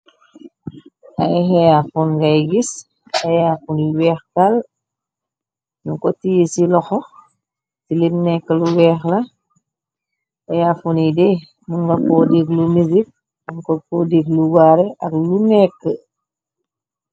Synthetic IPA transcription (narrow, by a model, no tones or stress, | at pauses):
ʔa̰jɦɛjafɔnɡajɡis | ajafuniwɛːxkal | nuŋkɔtijesilɔxɔ | tilimnɛkːəluwɛːxlɐ | ajafunidɛ | munɡakɔdeklumizik̚ | munkɔkɔdeɡluɡaɾɛʔɐklunɛkːə